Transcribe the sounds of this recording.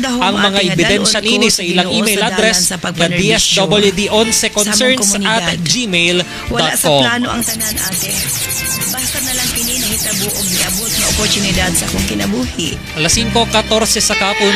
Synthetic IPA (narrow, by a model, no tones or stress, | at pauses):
d̪ɐɦɐŋmɐŋaʔɛbɪd̪ɛnʃɐniːnɪsɐʔɪlaŋʔimejlʔad̪ɾɛsɐkɐd̪iɛsd̪obɐljud̪iʔonsɛkonsɛɹnsɐt̪d͡ʒimejl | d̪at̚kkomlanoʔɐŋt̪ɐnanʔaːt̪ɛ | bat̪ɐnɐlɐŋkɪninɐɪt̪ɐbʔoɡ̚ɪʔɐbot̪̚nɐopoɾt̪ʊnɪd̪ad̪̚sɐkoŋkɪnɐbuːhɪʔ | ʔɐlɐsiŋko̞kɐt̪o̞ɾsɛsɐkaːpon